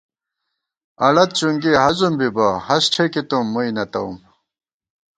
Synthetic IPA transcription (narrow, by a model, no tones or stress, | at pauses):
ɐlɐt̪̚t͡ɕuŋɡiɐɦɐzumbibahɐsʈ͡ʂʰekit̪umːuinɐt̪ɐṵm